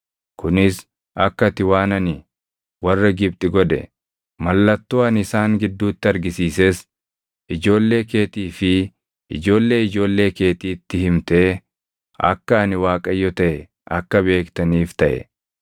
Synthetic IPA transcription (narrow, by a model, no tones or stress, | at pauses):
kʊnɪs | ɐkːɐt̪ɪwaːnɐnɪ | wɐrːɐɡɪb̚t̪ʼɪɡɔd̪ɛ̰ | mɐlːɐt̪ːoːɐnɪsaːŋɡɪd̪ːuːt̪ːɪɐɾɡɪsiːseːs | ʔɪd͡ʒo̞ːlːe̞ːke̞ːt̪iːfɪ | ɪd͡ʒo̞ːlːe̞ːɪd͡ʒo̞ːlːe̞ːke̞ːt̪iːt̪ːɪhɪmt̪eː | ɐ̰kːɐɐnɪwaːkʼɐjːɔt̪ɐʔɛ | ʔɐkːɐbe̞ːkt̪ɐniːft̪ɐʔɛ̰